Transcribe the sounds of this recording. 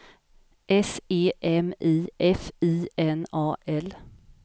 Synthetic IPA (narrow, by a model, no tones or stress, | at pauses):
ʔɛseːʔɛmiːʔɛfiːɛnɑːʔɛl